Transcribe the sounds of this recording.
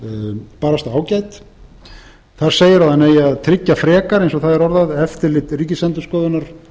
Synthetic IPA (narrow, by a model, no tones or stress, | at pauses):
paːɾast̪aaːwcaːjt̪ | θaɾ̥seːjɪɾaðanːeːjaðt̪ʰɾɪcːafɾɛːkaɾejnsɔθaðɛɾɔɾðaðɛft̪ɪlɪt̪riːcɪsɛnt̪ʏskɔːðʏnaɾ̥